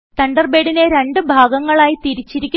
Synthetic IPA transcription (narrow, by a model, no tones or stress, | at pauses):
t̪ɐɳɖɐrbeːɽineɾe̞ɳɖɨbʱaːɡɐŋːɐɭaːjit̪iɾit͡ɕːiɾikʲː